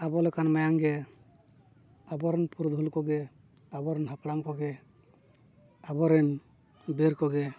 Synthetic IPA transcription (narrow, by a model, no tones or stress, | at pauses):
abɔlɔkʰanmajaŋɡɛ | abɔɾɛnpuɾd̪ʱulkɔɡɛ | abɔɾɛnɦapɽaŋkɔɡɛ | abɔɾɛn | beɾkɔɡɛ